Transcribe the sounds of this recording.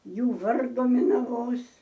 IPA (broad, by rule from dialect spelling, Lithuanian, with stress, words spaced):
ˈjuː ˈʋɐrdʊ mʲɪnɐˈʋoːs